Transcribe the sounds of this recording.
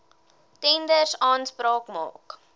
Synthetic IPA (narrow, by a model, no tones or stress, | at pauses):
tɛndərsɑːnspɾɑːkmɑ̰ːk